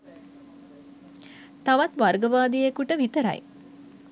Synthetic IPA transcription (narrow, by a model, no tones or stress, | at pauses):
t̪aʋat̪ʋarɡəʋaːd̪ijekuʈəʋit̪əɾa̰j